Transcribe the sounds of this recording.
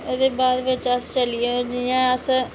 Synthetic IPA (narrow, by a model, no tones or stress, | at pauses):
oːd̪eːbaːd̪ʋɪt͡ʃəst͡ʃəlijod͡ʒijãːəs